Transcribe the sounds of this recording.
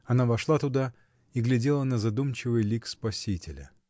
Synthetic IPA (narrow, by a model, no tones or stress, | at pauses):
ɐnavɐʂlˠat̪ʊd̪a | iɡlʲɪdʲelˠənəzɐd̪umt͡ɕɪvɨjlʲikspɐsʲitʲɪlʲə̰